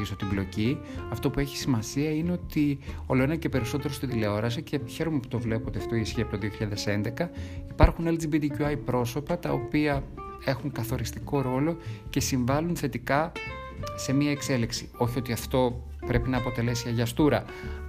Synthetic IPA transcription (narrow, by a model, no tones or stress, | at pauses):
isot̪iblo̞ci | ɐft̪o̞pue̞çi̥simɐsiɐine̞o̞t̪io̞loenɐce̞peɾiso̞t̪e̞ɾo̞st̪ind̪ile̞o̞ɾɐs̬ice̞çe̞ɾomepu̥t̪o̞vle̞puot̪iɐft̪o̞iisçiɐp̚t̪oðio̞çiʎaðe̞se̞nd̪e̞kɐipɐɾxuneld͡zibit̪icuɐjpɾo̞so̞pɐt̪ɐo̞piɐ | e̞xuŋkɐθo̞ɾist̪iko̞ɾo̞lo̞ce̞siɱvɐlunθe̞t̪ikɐ | se̞miɐekse̞liksio̞çiot̪iɐft̪o̞ | pɾe̞pinɐːpo̞t̪e̞le̞siɐʝɐst̪uɾɐ